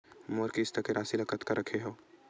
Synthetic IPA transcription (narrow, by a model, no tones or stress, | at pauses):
moɾkist̪akeɾãːsilɐkət̪kaɾɐkʰeɦoː